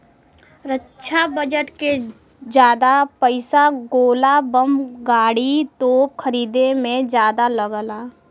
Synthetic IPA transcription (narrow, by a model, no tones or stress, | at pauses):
ɾətːʃʰabəd͡ʒəʈke | d͡ʒjaːd̪apəɪsaɡoːlabəmɡaːɽit̪oːp̚kʰəɾiːd̪emẽd͡ʒjaːd̪aləɡəlaː